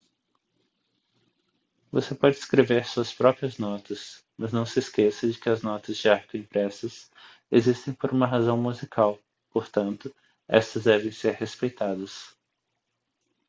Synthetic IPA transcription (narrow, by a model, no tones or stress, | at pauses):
vosepɔd͡ʒɪːskɾeveɾsuɐspɾɔpɾiɐznɔt̪ɐs | mɐznɐ̃w̃sɪskesɐd͡ʒɪkɪɐznɔt̪ɐzd͡ʒɪaɾkʊĩpɾɛsɐs | ezist̪ẽj̃poɾũmɐɦazɐ̃w̃muzikʰaw | poɾt̪ɐ̃nt̪ʊ | ɛst̪ɐzd̪ɛvẽj̃seɾhespejt̪ad̪ɐs